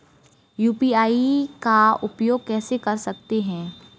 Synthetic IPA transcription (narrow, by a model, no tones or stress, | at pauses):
juːpiaːikaʊpjoːɡ̚kɛːsekɐɾsɐk̚t̪eɦɛ̃ː